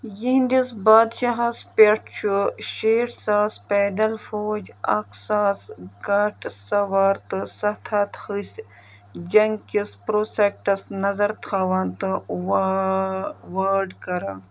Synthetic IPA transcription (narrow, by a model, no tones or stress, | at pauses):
jind̪isbaːd̪ʃɐɦɐspeʈt͡ʃʰuʃeːʈsaːspɛːd̪ɐlfoːd͡ʒɐ̰ksaːsɡɐʈsɐʋaːɾt̪ɨsɐt̪ʰaːt̪hɨsʲ | d͡ʒɐŋɡkispɾoːsek̚ʈɐsnɐzɐɾt̪ʰaːʋɐnt̪ɨ | ʋaːɾɖkɐɾaː